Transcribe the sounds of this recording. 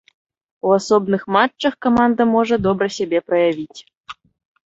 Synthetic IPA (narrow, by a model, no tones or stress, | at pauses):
losobnɨxmɑt͡ʃːɤxkomɑnd̪əmoʐə̆d̪obrəsʲebʲeprɐjavʲitʲ